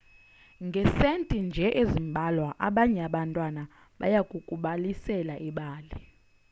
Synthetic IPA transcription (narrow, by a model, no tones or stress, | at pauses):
ŋɡʱɛsentʼind͡ʒʱɛʔezimbʱalwaʔa̰ɓaɲɛaɓantʼwana | ɓa̰jakʼukʼuɓalisɛlaʔiɓaːli